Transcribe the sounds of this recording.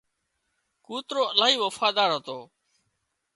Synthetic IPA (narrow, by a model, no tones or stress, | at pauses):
kuːt̪ɾoːəlaːɦiːʋəfaːd̪aːɾɦət̪oː